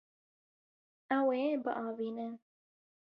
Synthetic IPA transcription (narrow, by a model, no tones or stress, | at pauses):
ɛwebɨʔɑːviːnɨn